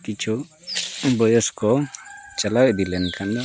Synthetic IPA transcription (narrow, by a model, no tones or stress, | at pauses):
kit͡ʃʰu | bɔjɔskɔt͡ʃalakd̪ilɛnkʰand̪ɔ